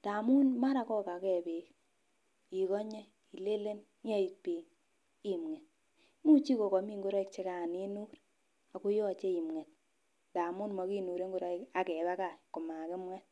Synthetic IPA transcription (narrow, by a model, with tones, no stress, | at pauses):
ta˨mu˦nma˦ɾa˨˦kɔ˦ka˨˦kɛ˨be˨k | i˨kɔ˦ɲe˦ | i˨le˦le˦n | ɲa˦i˨pi˨ŋ | i˦mŋɛ˨t̚ | mu˦t͡ʃi˦ko˨kɔ˨mi˦ŋɡu˦ɾɔ˦i˦kt͡ʃe˦ka˨ni˦nu˦ɾ | a˨ku˦jɔ˦˨t͡ʃe˦i˨mŋɛ˨t̚ | da˨mu˦nmɔ˨ki˦nu˨ɾe˦ŋɡu˦ɾɔ˦i˦ka˨kɛ˨ba˦ka˦˨kʊ˨ma˨kɪ˦mwɛ˦t